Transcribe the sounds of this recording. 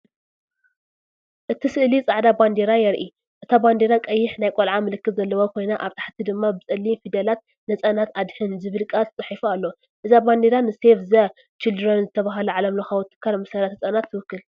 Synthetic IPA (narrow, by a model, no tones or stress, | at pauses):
ʔɨt̪ʰisɨʔlit͡sʼaʕd̪aband̪eɾajɛɾʔi | ʔɨt̪ʰaband̪eɾakʼɐjːɪħnajkʼolʕamɨlɨkːɨt̪zɐlːɐwokʰo̞jnaʔaβt̪ʰḁħt̪ʰid̪ɨmːabɨt͡sʼɨlːinfid̪ɐlat̪ | nɐt͡sʼɐnat̪ad̪ħɨnzɨβɨlkʼat̪ʰt͡sʼɨħifualːo | ʔɨzaband̪eɾanɨse̞fzɐ | t͡ʃɪld̪ɾonzɨt̪ʰɐβaɦaluʕalɐmlɐxawʊt̪ʰːɨ̥kʰːalmɐsɐlat̪t͡sʼɐnat̪ʰːɨwɨkːɨl